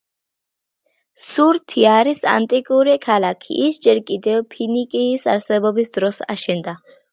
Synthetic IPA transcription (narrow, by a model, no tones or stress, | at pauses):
suɾt̪ʰiaɾisa̰nt̪ʼikʼuɾikʰalakʰḭːsd͡ʒɛɾkʼid̪ɛvpʰinikʼiːsa̰ɾsɛbɔbisd̪ɾɔsa̰ʃɛnd̪a